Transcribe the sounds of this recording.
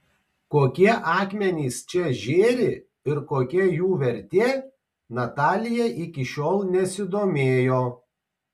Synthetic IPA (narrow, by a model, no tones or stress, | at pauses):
koːkʲiɛʔɑːkmʲɛnʲiːst͡ʃʲɛʒʲeːɾʲɪ | ɪɾkoːkʲɛjuːʋʲɛɾʲt̪ʲiɛ | nɐt̪ɑːlʲɪjɛʔɪkʲɪʃʲoːlˠnʲɛsʲɪd̪oːmʲeːjoː